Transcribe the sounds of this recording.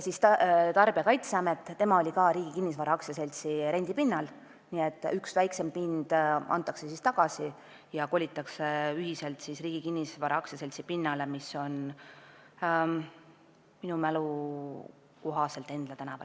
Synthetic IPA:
jsist̪t̪ɑrb̥iɑkɑjt̪seɑmet̪ˑːe̞mɑo̞lʲikɑːɾiːɡ̥ikinːisvɑɾɑɑksjɑse̞lʲt̪siɾe̞nʲd̪̥ipinːɑl | niːet̪ːˑyksvæjkse̞mpind̪̥ɑ̰nt̪ˑːɑkse̞sist̪ɑɡ̥ɑsi | jɑko̞lʲit̪ːˑɑkseyɦise̞lt̪sisriːɡ̥ikinʲːisvɑɾɑɑksjɑse̞lʲt̪sipinːɑlemiso̞n | minumælu | koɦɑse̞lt̪ːˑe̞nd̪̥lɑt̪ænɑvɑ̰

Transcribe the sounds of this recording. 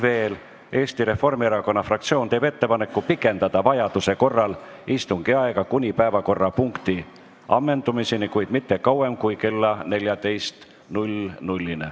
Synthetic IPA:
ve̞ːl | e̞ːst̪iɾe̞fːo̞rmieɾɑko̞nːɑfrɑkt̪sio̞ːnt̪e̞ːb̥e̞t̪ːe̞pɑne̞kːˑupikːˑe̞nd̪̥ɑd̪̥ɑvɑjɑd̪̥useko̞rːɑl | ist̪uŋɡ̥iɑeɡ̥ɑkunʲipæevɑko̞rːɑpuŋkt̪i | ɑmːe̞nd̪umisinikujd̪̥mit̪ːe̞kɑwe̞mkujke̞lːɑne̞lʲjɑd̪e̞jst̪ | nulʲnulʲːinḛ

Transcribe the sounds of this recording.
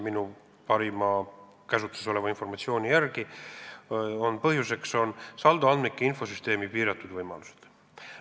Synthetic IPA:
minu | pɑɾimɑ | kæsut̪ːˑu̥seso̞levɑinfo̞rmɑt̪sio̞ːnʲijærɡi | o̞npɤɦjuse̞kso̞nsɑld̪uɑnd̪mikːiinfo̞syst̪e̞ːmipiːɾɑt̪ːˑud̪vɤjmɑ̰luse̥d̪̥

